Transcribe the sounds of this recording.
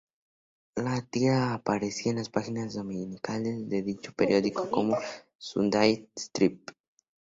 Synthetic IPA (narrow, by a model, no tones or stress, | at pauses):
lat̪iaːpaɾesiaenlaspaxinazðo̞mĩnikalezd̪e̞ðit͡ʃopeɾjo̞ðikoko̞mo | sṵnd̪ajt̪st̪ɾip̚